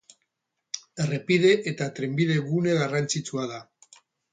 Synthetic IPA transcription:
erepiðe̞ʔeːt̪at̪ɾe̞mbið̞e̞ɣune̞ɣarant͡sit͡suaða

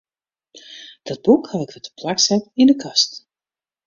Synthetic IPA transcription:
d̥ɔd̚bukhawɪkvɔtə̥pʰlaksɛɪndəkɑst

